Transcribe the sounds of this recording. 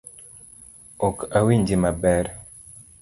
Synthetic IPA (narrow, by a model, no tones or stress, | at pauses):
ɔkawiɲd͡ʒimabɛɾ